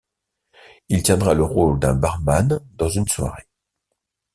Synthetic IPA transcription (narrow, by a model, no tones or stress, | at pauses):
ilt̪jɛ̃d̪ʁaləʁold̪ɛ̃baʁmand̪ɑ̃zynswa̰ʁe